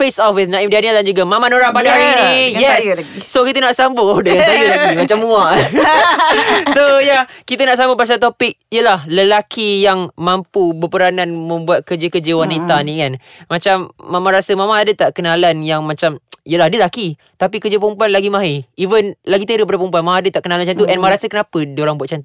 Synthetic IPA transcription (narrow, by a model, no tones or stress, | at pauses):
fesɔfwɪθnãimdianadand͡ʒuɡamamãnoɾaŋpadaaɾinijɛssokit̪ənaʔsambʊdəŋanaəlaɡimat͡ʃamːua | ssojakit̪anaʔsambəpasat̪opɪk̚ijəlahləlakijaŋmampubəpəɾananmə̃mbuat̪̚kəd͡ʒəkəd͡ʒəwanit̪anĩkan | mãt͡ʃamːamãɾasəmamãːdət̪aʔkənalanjaŋmãt͡ʃamijəlahdələlaki | t̪apikəd͡ʒəpəumpuanlaɡimãɦeivənlaɡit̪əɾəpadapump̬uanmaaːdət̪aʔkənalamnt͡ʃant̪̬uʔɛnmãɾasəkənapədioɾaŋbuat̪̚t͡ʃant̪u